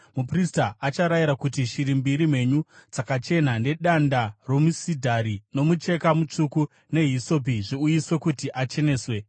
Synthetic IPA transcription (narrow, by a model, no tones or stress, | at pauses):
mupristaʔat͡ʃaɾajiɾakutiʃiɾimbiɾime̞ɲud͡zakat͡ʃe̞n̤ane̞ɗandaro̞musidʱaɾino̞mut͡ʃe̞kamut͡ʂuku | ne̞ɦiso̞piʐiujiswe̞kutiʔat͡ʃe̞ne̞ːswe̞